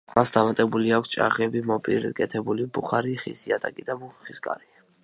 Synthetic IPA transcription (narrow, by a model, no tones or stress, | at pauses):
masd̪amat̪ʼɛbuliakʰʷst͡ʃʼa̰ʁɛbimɔpʼḭɾkʼɛt̪ʰɛbulibuχaɾiχḭsiat̪ʼakʼid̪amuχχiskʼa̰ɾi